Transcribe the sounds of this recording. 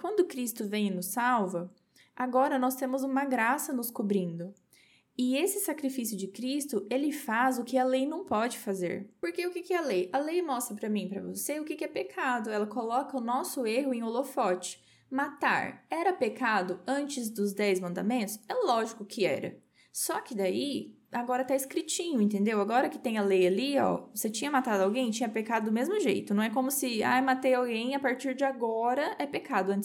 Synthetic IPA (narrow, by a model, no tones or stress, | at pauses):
kwɐ̃nd̪ʊkɾist̪ʊvẽj̃ɪnʊsawvɐ | aɡɔɾɐnɔst̪ẽmʊzũmɐɡɾasɐnʊskobɾĩnd̪ʊ | ɪesɪsakɾifisijʊd͡ʒɪkɾist̪ʊʔelɪfazʊkɪɐlejnɐ̃w̃pɔd͡ʒɪfazḛɾpoɾkeʊkɪkɪɛɐlejɐlejmɔst̪ɾɐpɾɐmĩpɾɐ̰vo̰seʊkɪkɪɛpekʰad̪ʊɛlɐkolɔkɐʊnɔsʊeɦʊẽolofɔt͡ʃɪ̥ | mat̪a̰ɾɛɾɐpekad̪ʊɐ̃nt͡ʃɪzd̪ʊzd̪ɛjzmɐ̃nd̪a̰mẽnt̪ʊsɛʊlɔʒikʊkʰɪɛ̰ɾɐ̰ | sɔkɪd̪ai | aɡɔɾɐt̪aɪskɾit͡ʃĩɲʊẽnt̪̬ẽnd̪ewaɡɔɾɐkɪ̥t̪ẽj̃ɐlejaliɔ̰oset͡ʃĩɲɐmat̪ad̪ʊawɡẽj̃t͡ʃĩɲɐpekad̪ʊd̪ʊmezmʊʒḛjt̪ʊnɐ̃w̃ɛkõmʊsɪa̰jmat̪ejawɡẽj̃apaɾt͡ʃiɾd͡ʒɪaɡɔɾɐɛpekad̪ʊɐ̃nt̪